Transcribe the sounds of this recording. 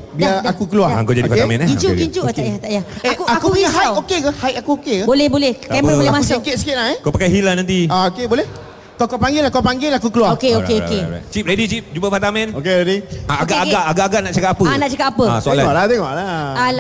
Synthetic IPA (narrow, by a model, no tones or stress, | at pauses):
biaakukəluaaŋkod͡ʒadipamɛ̃naiɲt͡ʃukiɲt͡ʃuʔt̪aʔjat̪aʔjaekuakuupɲaɦajt̪okekahajt̪akuokekabolɛhbolɛhkɛməoɛmassikɪt̪̚si̥kɪt̪̚laekopakajɦilanant̪iaokebolɛh | kakapaŋɡɪlakapaŋɡɪlakukəluaokeokeokḛt͡ʃip̚ɾedit͡ʃip̚d͡ʒubəpat̪amɛ̃nokeɾediaaɡaaaʔaɡaʔːɡaʔnaʔt͡ʃakapapənaʔt͡ʃakap̚apəasoalaɔʔlat̪ɛŋɔʔlaa